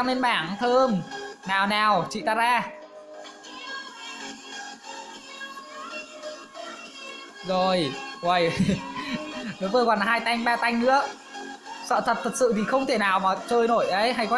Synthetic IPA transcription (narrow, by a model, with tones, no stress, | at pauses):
a˧ne˧nɓaː˧˩ŋt̪ʰəː˧mnaː˨˩wnaː˨˩wt͡ɕḭ˧˨t̪aː˧˥zaː˧ | zo˨˩jwə˨˩j | ɗo˨˦vəː˧˩jkwaː˨˩nɦaː˧jt̪a˧jŋ̟ɓaː˧t̪a˧jŋ̟nɨ̰˧˥ə | sə̰ː˧˨t̪ʰə˨˩t̚t̪ə˨˩t̚sɨ̰˧˨t̪ʰi˨˩xə˧wŋ͡mt̪ʰe˧˩naː˨˩wmaː˨˩t͡ɕəː˧jno˧˩jʔə˨˦jɦa˧jkwa˦